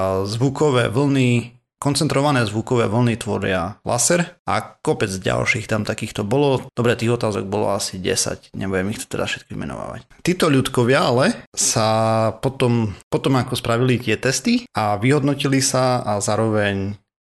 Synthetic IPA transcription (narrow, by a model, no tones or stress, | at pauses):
zʋukɔʋɛ̰ːʋl̩ni | kɔnt͡sɛnt̪ɾɔʋanɛːzʋukɔʋɛ̰ːʋl̩nit̪ʋɔ̰ɾɪalʔa̰sɛɾa̰kɔpɛd͡zɟa̰lʃiːxt̪amt̪akiːxt̪ɔbɔlɔd̪̥ɔbɾɛt̪iːɣɔt̪aːzɔ̰ɡ̚bɔlɔ̰asiɟɛ̰sa̰cɲʔɛ̰bujɛmixt̪ɔ̥t̪ɛda̰sfʃɛt̪̚kɔḭmɛ̰nɔ̰ʋa̰ːʋa̰ct̪iːt̪ɔʎut̪kɔʋɪaalɛsapɔt̪ɔmpɔt̪ɔmakɔspɾaʋilit̪ɪɛt̪ɛst̪iaʋiɦɔd̪nɔcilisaazaːɾɔʋɛɲ